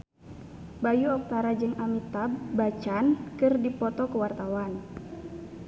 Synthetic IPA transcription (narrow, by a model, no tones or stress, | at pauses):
bajuɔk̚t̪aɾad͡ʒɨŋamit̪abat͡ʃankɨrdipɔt̪ɔkəwart̪awan